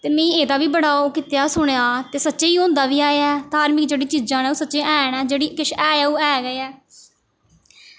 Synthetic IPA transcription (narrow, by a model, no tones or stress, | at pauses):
t̪eːmɛ̃ːeːd̪aːʋiːbəɽaːoːkɪt̪eaːsʊɳaːt̪eːsətːʃeːiːõːnd̪aːʋiːaːeaɛːt̪aːɾmɪkd͡ʒeːɽiːt͡ʃiːd͡ʒãːnɛːuːsətːʃeːʔɛ̃ːnɛːd͡ʒeːɽiːkɪʃʰɛːjɛːuːɛːɡəːɛː